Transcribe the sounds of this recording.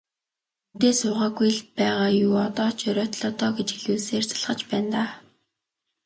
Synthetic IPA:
ut̪eːsʊːʁaːɡujɮpæːʁaːjuːɔt̪ɔːt͡ɕʰœɾʲœːt̪ɮɔt̪ɔːɡet͡ɕiɮuːseːrt͡sḁɮʁə̆t͡ɕpæːnt̪aː

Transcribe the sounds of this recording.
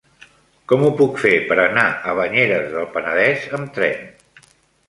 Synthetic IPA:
kɔmupukfepəɾənaəβəɲeɾəzðəlˠpənəðɛzəmt̪ɾɛ̰n

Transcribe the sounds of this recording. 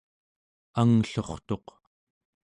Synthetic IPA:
aŋɬoχt̪o̞q

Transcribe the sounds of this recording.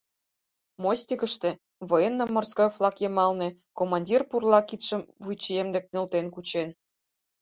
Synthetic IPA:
mosʲtʲikə̆ʃt̪ĕ | βɤjenːə̆mːorskojflɑkjemɑlnĕkomɑnʲdʲirpurlɑkit̪ʃə̆mvujt͡ɕijemd̪ĕk̚nø̆lt̪enkut͡ɕen

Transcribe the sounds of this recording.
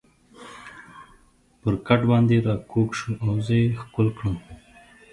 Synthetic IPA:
pəɾkaʈbɑnd̪eɾɑkʰokʃuʔawzəxkʊlkɽəm

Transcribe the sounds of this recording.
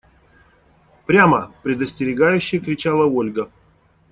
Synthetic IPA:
pɾʲamə̰pɾʲɪd̪əsʲtʲɪɾʲɪɡajʉɕːɪjkɾʲɪt͡ɕalˠəolʲɡə

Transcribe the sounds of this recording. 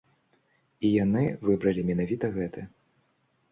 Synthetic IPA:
ijanɨvɨbɾɐlʲimʲɛnavʲit̪ɐɣɛt̪ɨ

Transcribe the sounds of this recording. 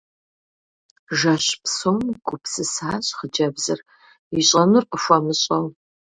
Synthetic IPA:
ʒɐɕpsomɡʷʊpsɨsaːɕʼχəd͡ʒɐbzɨr | iɕʼɐmɨrqəfʷɐmɨɕʼɐw

